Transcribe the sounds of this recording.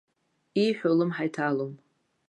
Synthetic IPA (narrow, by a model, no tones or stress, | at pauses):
iħʷᶣolɨmħajtʰalom